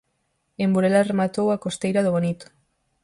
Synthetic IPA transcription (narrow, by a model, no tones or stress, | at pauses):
embuɾelaremat̪owakost̪ejɾaðoβonit̪o̥